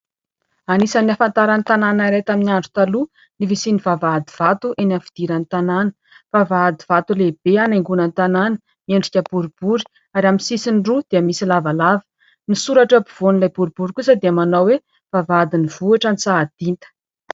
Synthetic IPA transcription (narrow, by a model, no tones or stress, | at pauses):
anisanniafant̪aɾanit̪ananaɾet̪aminiaɳɖ͡ʐu̥t̪alu | nivisinivavad̪iv̥at̪uʔenafid̪̥iɾanit̪ananə̥ | vavaad̪iv̥at̪uleb̥eaneŋɡunənit̪ananə | mieɳɖ͡ʐikʲəb̥uɾub̥uɾi̥ | aɾaminsisinɖ͡ʐud̪̥eəmisilavalavə̥ | nisuɾaʈ͡ʂəbuv̥onilajbuɾubuɾikusəd̪eamanawwe | v̥avad̪iniv̥uaʈ͡ʂanit͡saːd̪̥int̪ə̥